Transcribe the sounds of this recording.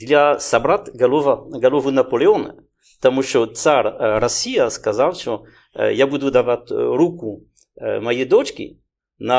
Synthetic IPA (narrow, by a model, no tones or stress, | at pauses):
d̪ilasabɾat̪ɡalovaɡalovunapoleon | t̪amuʃot͡saɾɾasiaskazalʃo̰ | jabud̪ud̪avat̪ɾuku | majed̪ot͡ʃkʲḭ | na